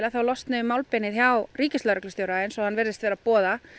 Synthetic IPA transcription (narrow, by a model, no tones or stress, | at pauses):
laθawlɔst̪nʏmːaːwlpɛnɪðçawriːcɪst̪aɾœklʏsjowɾaɪnsɔhanːvɛɾðɪst̪vɛːɾapɔːða